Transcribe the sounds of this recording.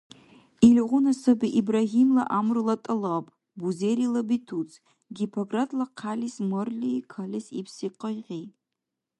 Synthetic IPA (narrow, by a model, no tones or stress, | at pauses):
ilʁʷʊnasɐbiʔibraɦimlaʔamrɨlatʼɨlapʼ | buzeɾilabitʰut͡sʰʼ | ɡʲipʰoɡratʰʼlaqʰalismɨrlʲikʰalʲisipʰsiqəjʁʲe